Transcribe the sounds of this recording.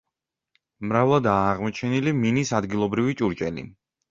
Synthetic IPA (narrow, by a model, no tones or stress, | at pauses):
mɾavlˠɔd̪aːʁmɔt͡ʃʰɛniliminisad̪ɡilˠɔbɾivit͡ʃʼuɾt͡ʃʼɛlḭ